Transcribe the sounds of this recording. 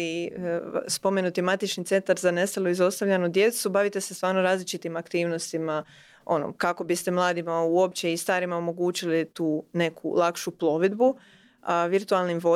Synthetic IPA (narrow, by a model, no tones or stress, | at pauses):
i | spo̞me̞nut̪imat̪it͡ʃnit̪e̞nt̪aɾzane̞st̪alˠoizo̞st̪aʋʎʲanud̪je̞t̪subaʋit̪e̞sest̪ʋaːɾnoɾaːzlit͡ʃit̪imakt̪iːʋno̞st̪ima | o̞̰no̰kako̞bist̪e̞mlˠaːd̪imauo̞p̚t͡ɕeist̪aːɾimaomo̞ɡuːt͡ɕilit̪uːne̞kʰṵlˠakʃuplˠo̞ʋed̪bu | ʋiɾt̪ualˠnimʋo̞